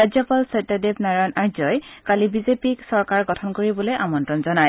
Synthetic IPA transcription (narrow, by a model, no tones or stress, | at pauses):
azjɔpalsɔtadebnaɹanʔaɹzɔjkalibizepiksɔɹkaɹɡɔtʰɔnkoɹibɔlojʔamɔntɹɔnzɔnaj